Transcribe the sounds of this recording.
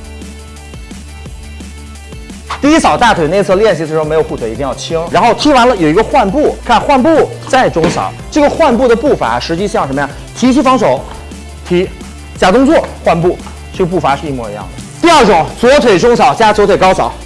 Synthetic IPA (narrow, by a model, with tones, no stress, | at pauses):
t̪i˥˧i˥sɑ˨˩ʊt̪a˥˩t̪ʰwe˨˩ɪe˥˧ɪt͡s̩ʰ˥˧ljɛ˥˧nɕ̬ʰi˧˥t͡s̩˥˩˧m˧˥jxu˥˩t̪we˨˩ɪi˧˥t̪i˥˧jɑ˥˩t͡ɕʰi˥ŋɻa˧˥nxo˥˩ʊt̪ʰi˥wa˧˥nlə˨jo˨˩ʊi˧˥ɡə˧xwa˥˧npu˥˩kʰa˥˧nxwa˥˧npu˥˧t͡sa˥˩ɪʈ͡ʂʊ˥ŋsɑ̰˨˩˦ʊʈ͡ʂɤ˥˩ɡə˩xwa˥˧npu˥˩d̪ə˩pu˥˩fa̰˧˥ʂɻ̩˧˥t͡ɕi˥˧ɕɑ˥˩ŋʂə˧˥mə˧ja˥˩ŋ | t̪ʰi˧˥t͡ɕʰy˥fɑ˧˥ŋʂo˨˩˦ʊ | t̪ʰi˧˥ | t͡ɕja˨˩t̪ʊ˥ŋt͡swɔ˥˧xwa˥˧npu˥˩ | ʈ͡ʂɤ˥˩ɡə˩p̬u˥˩fa˧˥ʂɻ̩˧i˥˩mwɔ˥˩i˧˥jɑ̰˥˩ŋd̪ə˩t̪i˥˧ə˞˥˩ʈ͡ʂʊ˨˩˦ŋt͡swɔ˧˥t̪ʰwe˨˩ɪʈ͡ʂʊ˥ŋsɑ˨˩˦ʊt͡ɕja˥t͡swt̪ʰwe˨˩ɪkɑ˥ʊsɑ˨˩˦ʊ